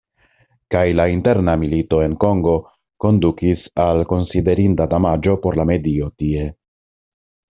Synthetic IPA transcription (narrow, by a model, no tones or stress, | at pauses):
kajlainte̞ɾnamilito̞e̞nko̞ŋɡo̞ | ko̞ndukisalko̞nside̞ɾintadamad͡ʒo̞po̞ɾlame̞dio̞tie̞